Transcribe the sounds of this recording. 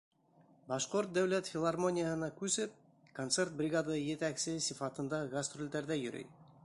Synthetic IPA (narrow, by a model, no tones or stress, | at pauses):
bɑʃqoɾt̪̚d̪æwlæt̪fʲɪlˠarmo̞nʲɪjəhɤ̆nɑkʉsɘp̚ | kont̪sert̪̚brʲɪɡad̪ajɘ̆t̪æksɘsifɑt̪ɤ̆nd̪ɑɡɐst̪rolʲd̪æɾðæjɵ̆ɾɵ̰j